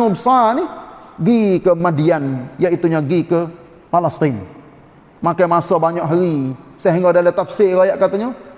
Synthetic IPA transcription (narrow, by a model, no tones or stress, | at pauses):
ŋɔbəsanihɡikəmadianjait̪uɲaɡikə | malast̪in | makajmasɔbaɲaʔɦaɾisaɦiŋɡɔdalət̪afseɾajaʔkat̪aɲɔ